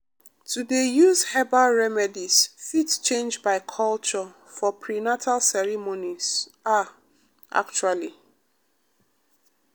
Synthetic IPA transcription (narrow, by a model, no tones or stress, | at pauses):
tudejuzhɛbaɹɛmɛdisfitt͡ʃẽnd͡ʒbaɪkʰɔlt͡ʃɔ | fɔpʰɹinatʰalsɛɹimoniz̥a | ʔa̰k̚t͡ʃuali